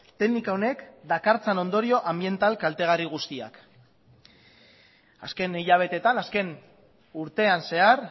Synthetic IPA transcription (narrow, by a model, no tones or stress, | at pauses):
t̪e̞knikaone̞kd̪akaɾt͡sano̞nd̪o̞ɾio̞ʔambie̞nt̪alkalt̪e̞ɣ̞ariɣ̞ust̪ia̰k | a̰ske̞niʎaβ̞e̞t̪e̞t̪anaske̞n | uɾt̪e̞anse̞aɾ